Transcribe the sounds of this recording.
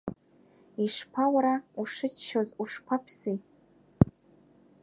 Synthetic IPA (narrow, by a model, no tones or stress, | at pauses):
iʂpʰawaɾauʂɨt͡ʃʃozuʂpʰapʰsi